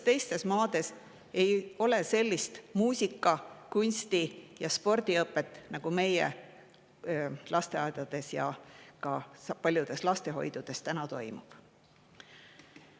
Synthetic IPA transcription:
t̪e̞jst̪e̞smɑːd̪̥e̞s | e̞jo̞lese̞lʲːist̪muːsʲikːˑɑkunʲst̪ijɑspo̞rd̪̥iɤpːˑe̞t̪ːˑnɑɡ̥ume̞jḛ | lʔɑst̪e̞ɑjd̪̥ɑd̪̥e̞sjɑ̰kɑpɑlʲjud̪̥e̞slɑst̪e̞ɦo̞̰jd̪̥ud̪̥e̞st̪ænɑt̪o̞jmṵb̥

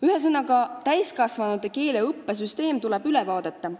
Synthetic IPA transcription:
yhe̞s̬ɤnɑkɑt̪æjskɑsvɑnud̪eke̞ːleɤpːes̬yst̪e̞ːmt̪ule̞b̥ylevɑːd̪̥e̞t̪ːɑ

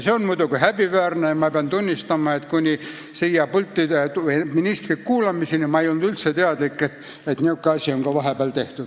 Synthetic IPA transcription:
seonmuit̪ɑkuhæbiʋæːrnejɑmɑpeɑnt̪unʲːist̪ɑmɑet̪kunʲi | sijɑpult̪ːit̪ueminʲist̪rikkuːlɑmisinimɑejolnud̪ylt̪set̪eɑd̪likːet̪ | et̪niukːeɑsʲioŋkɑʋɑɦebæːlt̪eht̪u̥

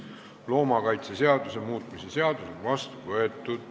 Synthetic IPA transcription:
lo̞ːmɑkɑjt̪sese̞ɑd̪use̞muːt̪ˑmisese̞ɑd̪̥use̞nvɑst̪uvɤet̪ːˑud̪̥

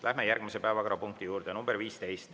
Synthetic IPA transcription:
lʔæɦme̞jærɡ̥misepæevɑkoɾɑpuŋk̚t̪ijuːɾd̪̥enumb̥eɾviːst̪e̞jst̪

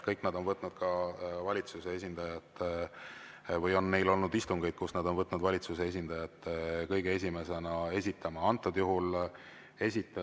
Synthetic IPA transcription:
kɤjkːˑnɑd̪̥o̞nvɤt̪ˑnud̪̥kɑvɑlʲit̪suse̞e̞s̬ʲind̪̥ɑjɑt̪ːˑ | vɤjo̞nːe̞jlo̞lnud̪ist̪uŋɡ̥e̞jd̥̪̚kusnɑd̪o̞nvɤt̪ːˑnud̪vɑlʲit̪suse̞es̬ʲind̪̥ɑjɑt̪ːkɤjɡ̥ee̞s̬ʲime̞se̞nɑe̞sʲit̪ːˑɑmɑɑnt̪ːˑod̪̥juɦul | e̞sʲit̪ːˑ

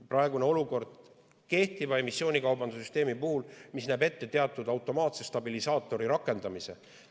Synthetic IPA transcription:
prɑeɡ̥une̞o̞luko̞rd̪̥ | ke̞ht̪ivɑe̞misːo̞ːnʲikɑwbɑnd̪̥usyst̪e̞ːmipuhulmisnæːbe̞t̪ːe̞t̪e̞ɑt̪ːˑud̪̥ɑwt̪ːˑo̞mɑːt̪se̞st̪ɑbilisɑːt̪ːˑo̞ɾiɾɑkːˑe̞nd̪ɑmise̞

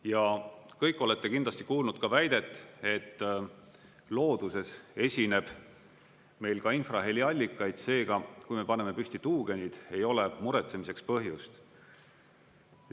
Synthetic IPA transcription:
jɑkɤjkːˑo̞le̞t̪ːe̞kind̪lɑsʲt̪ikuːlnud̪̚kɑvæjd̪̥e̞t̪ːˑe̞t̪ː | lo̞ːd̪̥use̞se̞sʲine̞b̥ | me̞jlkɑinfrɑɦelʲiɑlʲːikˑːɑjd̪̥se̞ːɡ̥ɑkujme̞pɑne̞me̞pysʲt̪it̪uːɡ̥e̞nid̪̥e̞jo̞lemuɾe̞t̪se̞mise̞kspɤɦjust̪

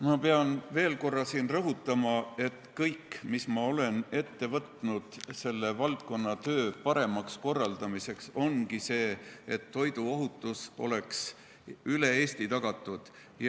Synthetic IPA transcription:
mɑpeɑnve̞ːlko̞rːɑsiːnrɤɦut̪ːˑɑmɑe̞t̪kɤjkːmismɑo̞le̞ne̞t̪ːe̞vɤt̪nud̪̥se̞lːe̞vɑlt̪̚ko̞nːɑt̪ø̞ːpɑɾe̞mɑksko̞rːɑld̪ɑmise̞kso̞nkise̞ːet̪ːo̞jd̪uo̞ɦut̪ːˑuso̞̰le̞ks | yle̞eːst̪it̪ɑɡ̥ɑt̪ːˑud̪̥ | j

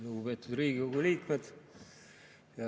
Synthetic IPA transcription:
luɡ̥upeːt̪ːˑud̪riːɡikoɡuliːk̪med̪̥ | jɑ

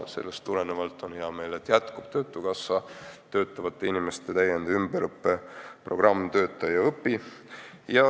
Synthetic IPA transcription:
se̞̰lːest̪ːuɾe̞nevɑlt̪ːˑo̞njɑme̞ːle̞t̪jæt̪kub̥̚t̪ø̞ːt̪ːˑukɑsvɑt̪ø̞ːt̪ːˑɑvɑt̪ːˑe̞inime̞st̪e̞t̪æjend̪eymbeɾɤpːepro̞̰ɡ̥rɑmːt̪ø̞ːt̪ˑːɑjɑɤpːˑi | jɑ

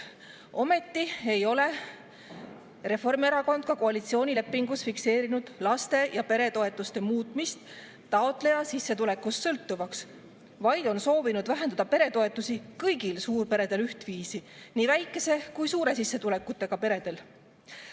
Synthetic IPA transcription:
ʔo̞me̞t̪ːie̞jo̞le̞ | re̞fo̞rme̞ɾɑko̞nd̪̥̚kɑkoɑlit̪sio̞ːnʲile̞pːˑiŋɡ̥usfikse̞ːɾinud̪̥lɑst̪e̞jɑpe̞ɾe̞t̪o̞e̞t̪ˑːust̪e̞muːt̪ˑmist̪ː | ɑot̪ˑle̞jɑsisːe̞t̪ule̞kːust̪sɤlt̪ːuvɑks | vɑjd̪̥o̞nso̞ːvinud̪væɦend̪̥ɑd̪̥ɑpe̞ɾe̞t̪o̞e̞t̪ːˑusikɤjɡilsuːrpe̞ɾe̞d̪e̞lyht̪viːsiniːvæjkːˑe̞se̞kujsuːɾe̞sisːe̞t̪ule̞kːˑut̪ːˑe̞ɡ̥ɑpe̞ɾe̞d̪̥e̞l

